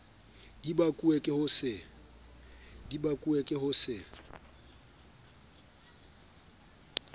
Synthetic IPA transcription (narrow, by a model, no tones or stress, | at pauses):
dibakʼuekʼɪhʊsɪ | dibakʼuekʼɪhʊsɪ